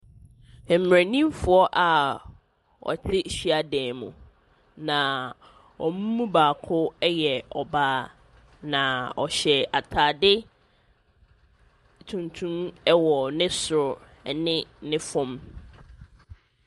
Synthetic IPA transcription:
m̩˨m˨æ̃˨nĩ˦mfʊ˨˦ɔ˦ʔa˨ | ɔ̰˨t͡ɕʰɪ˦ɕi˦a˨dɛ̃ː˨mṵ̃˨ | nã˨ | ɔ˨mũ˦mːũ˦baː˨kʰʊ˦jɛ˨ɔ˨baː˦ | nã˨ɔ˨ɕɛ˨a˨tʰaː˨dɪ˦ | tʰũ˨ntʰũ˦mɛ˦wɔ˨nɪ̃˦sʊ˨ɾ | ɛ˨nɪ̃˦nɪ̃˦fʊ̃˦m

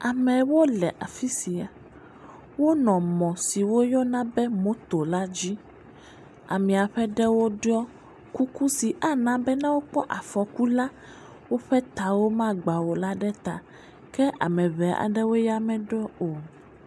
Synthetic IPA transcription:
a˨mɛ̃˨wo˦lɛ˨ʔa̰˨fi˦si˨a˨ | wo˦nɔ̃˨mɔ̃˨si˨wo˦jɔ˦nã˦bɛ˦mõ˦t̪o˨la˦d͡ʑi˦ | a̰˨mĩ˨a˨ɸɛ˦ɖɛ˦wo˦ɖɔ˦ | ku˦ku˦si˨ʔa˦nã˦bɛ˦nã˦wo˦k͡pɔ˦ʔa˨fɔ˨ku˦la˦ | wo˦ɸɛ˦t̪a˨wo˦mã˦ɡ͡ba˨wo˨la˦ɖɛ˦t̪a˨ | kɛ˦ʔa̰˨mɛ̃˨βɛ˨a̰˨ɖɛ˦wo˦ja˦mɛ̃˨ɖɔ˦o˨

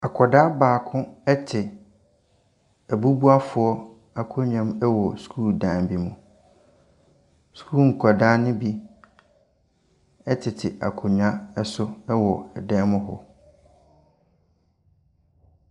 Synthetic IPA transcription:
a˨kʰɔ˨da˦baː˨kʰʊ̃˦ɛ˦tʰɪ˨ | æ˨bu˦bu˦a˦fʊ˨ɔ˦ | a˨kʰʊ˦ɲᶣã˦mɛ˦wɔ˨skʰuː˦˨dãː˨m˨bi˨mũ˨ | skʰu˦˨ŋ̩˨kʰa˨daː˦nʊ̃˦bi˦ | ɛ˦tʰɪ˨tʰɪ˨ʔa̰˨kʰʊ˨ɲᶣ˨ã˦ɛ˦sʊ˦ɛ˦wɔ˨ɛ˨dɛ̃ː˦mʊ̃˦ɦɔ̰˨

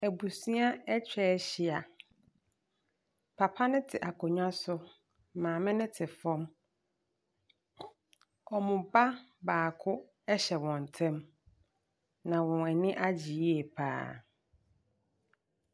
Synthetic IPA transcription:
æ˨bu˨si˦a˦ɛ˦t͡ɕᶣɛ˦ɕi˨a˨ | pʰa˨pʰa˦nɪ̃˦tʰɪ˨ʔa˨kʰɔ˨ɲᶣã˦sʊ˦ | mãː˨mɪ̃˦nɪ̃˦tʰɪ˨fɔ̃˦m | ɔ˨mʊ̃˨ba˦baː˨kʰʊ˦ | ɛ˦ɕɛ˨wɔ̃˨n˨tʰɛ̃˦m | nã˨wɔ̃˨ɛ˨nɪ̃˦ʔa˦d͡ʑi˨ji˦e˨pʰa̰ː˦

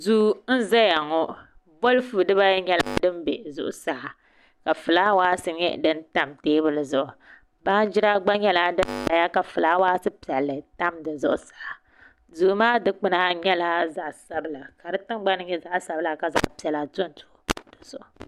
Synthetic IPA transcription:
zuː˦n̩˦za˦ja˨ŋɔ˦ | bo˦lfu˨dɨ˦ba˦jɲɛ˦la̰˦dɨ˦mbɛ˨zʊ̰˦ʔʊ˨sa˨a˨ | ka˨fɨ˨laː˦waː˦sɨ˦ɲɛ̰˦dɨ˦nta˦mteː˦bɨ˦lɨ˨zʊ˦ʔʊ˨ | baː˦n˦d͡ʒɪ˦ɾa˦ɡ͡ba˦ɲɛ˦la˦dɨ˦nta˨ja˦ka˨fɨ˨la˦waː˦sɨ˦pi˨ɛ˨lːɨ˨ta˦mdɨ˨zʊ̰˦ʔʊ˦sa˨a˨ | zu˨˦maː˦dɨ˦k͡pɨ˦na˦ɲɛ˦la˦za˨ʔsa˦bɨ˦la˨ka˨dɨ˦tɨ˦ŋɡ͡ba˦nɨ˦ɲɛ˦za˦ʔsa˨bɨ˦la˨ka˨za̰˦ʔpi˨ɛ˨la˨to˦n˨tʊ̥˨ʊ˨d̥o˨sʊ˨ʔʊ˨

